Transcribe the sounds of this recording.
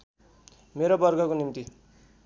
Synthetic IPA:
meɾobʌrɡʌkonimt̪i

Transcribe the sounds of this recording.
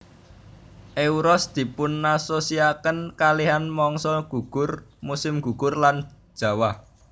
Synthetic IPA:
ʔeuɾɔsd̪̥i̤pʊnːasosiakənkaliɦanmɔŋsɔɡ̥ṳɡ̥ʊrmusɪmɡ̥ṳɡ̥ʊrlan̥ | ʒ̥ä̤wah

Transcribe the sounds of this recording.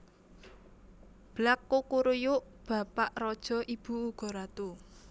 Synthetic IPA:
b̥lakːukuɾujʊʔ | b̥ä̤paʔrɔd̥ʒ̥ɔ̤ʔib̥ṳːɡ̥ɔ̤ɾat̪u

